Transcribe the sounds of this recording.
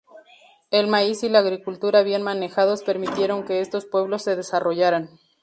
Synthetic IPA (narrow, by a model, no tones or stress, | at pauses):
e̞lmaisilaːɣɾikult̪uɾaβje̞nmane̞xaðo̞spe̞ɾmit̪je̞ɾo̞ŋke̞e̞st̪o̞spwe̞β̞lo̞sːe̞ð̞e̞saro̞ʝaɾan